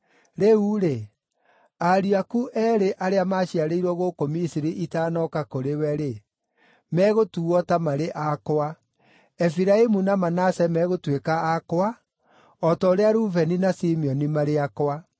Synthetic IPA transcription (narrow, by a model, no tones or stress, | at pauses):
ɾeuɾe | aɾiakuʔɛɾeʔaɾeamaʃiaɾeiɾwɔɣokomisiɾiʔitaːnɔkakoɾewɛɾe | mɛːɣotuɔtamaɾeʔakoa | ɛfiɾaimunamanasɛmɛɣotwekaːkoa | ɔtɔːɾeaɾuvɛninasimiɔnimaɾeakoa